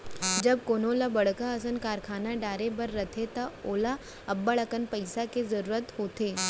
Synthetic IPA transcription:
d͡ʒɐb̚koːnoːlabɐɽ̤kaɐsənkaːɾkʰaːnaɖaːɾebɐɾːɐt̪ʰet̪ɐoːla | ɐbːəɭɐkənpɐɪsakezɐɾuːɾət̪hoːt̪eː

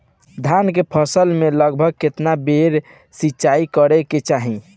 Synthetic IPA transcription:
d̪ʱjankepʰəsəlmeləɡ̚bʱəɡ̚ket̪nabeɾ | sitːt͡ʃaikəɾɛket͡ʃaɦĩ

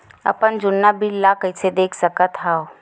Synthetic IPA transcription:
ɐ̰pənd͡ʒʊnːabʱilːakəɪsed̪eːkʰsəkət̪ɦao

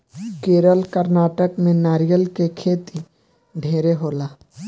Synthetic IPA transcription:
keːɾəlkəɾnaːʈəkmẽnaːɾijəlkekʰeːt̪i | ɖʱeːɾeɦoːlaː

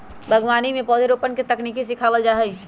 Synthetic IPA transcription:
bʱəɡʋaːnimẽpɔːd̪ʱeɾopənket̪əknikesikʰawəld͡ʒaɦɛj

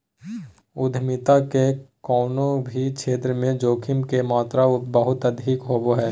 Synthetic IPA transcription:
ʊd̪ʱmɪt̪akekɔːnõbʱit͡ʃʰeːt̪ɾəmẽd͡ʒoːkʰɪmkemaːt̪ɾaʊbəɦʊt̪ɐd̪ʱiːkɦoːboɦɛː

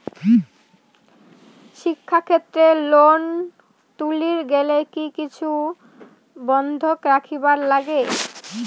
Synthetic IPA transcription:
ʃikʰːakʰet̪ːɾelon | t̪uliɾɡelekikit͡ɕʰu | bɔnd̪ʱokɾakʰibaɾlaɡe

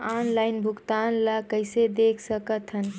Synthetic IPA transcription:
aːnlaɪnbʱʊɡt̪anlakəɪsed̪ekʰsəkət̪ʰɦən

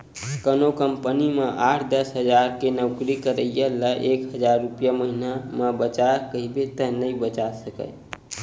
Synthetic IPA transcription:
kənokəmpənimeʔaʈʰd̪əsɦəd͡ʒaɾkenəʊkɾikəɾəjələʔekɦəd͡ʒaɾːupjaməɦinamebət͡ʃakəɦibet̪əɦnəĩbət͡ʃasəkə̰j

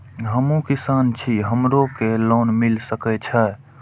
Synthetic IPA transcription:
ɦəmũkisant͡ʃʰiɦəmɾokeloːnmilsəkɛt͡ʃʰə

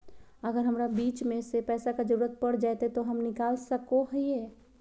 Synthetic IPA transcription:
əɡəɾɦəmɾabiːt͡ʃmẽsepɛːsakad͡ʒəɾuːɾət̪̚pəɽd͡ʒaːjt̪et̪oɦəmnɪkaːlsəkoɦieː

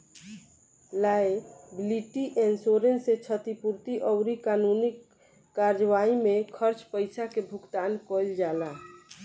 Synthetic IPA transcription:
laebliʈiʔensoɾenset͡ʃʰət̪ipuɾt̪iʔɔwɾikanunikː | aɾd͡ʒʋaimekʰəɾt͡ʃpəɪsakebʱukt̪aːnkɔld͡ʒala

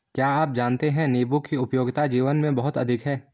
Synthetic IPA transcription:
kjaːaːp̚d͡ʒaːnt̪eɦɛ̃neːbʊkːiʊpjoːɡt̪ad͡ʒiːʋənmẽbɐɦʊt̪ɐ̰d̪ʱɪkɦɛː

